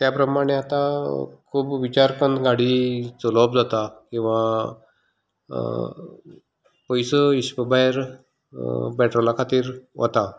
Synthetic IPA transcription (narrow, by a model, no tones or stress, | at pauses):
t̪japɾəmaɽ̃eat̪akʰuːbʋit͡ɕaɾkənt̪ɡaɽiːt͡solɔb̚d͡zat̪akĩw̃ʋa | pəjsəiɕpəbaeɾ | bɛʈɾolakʰat̪iːɾʋə̰t̪a